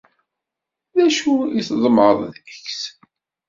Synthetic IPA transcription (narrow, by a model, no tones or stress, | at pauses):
ðæʃuisðˤəmɾəðˤðəçs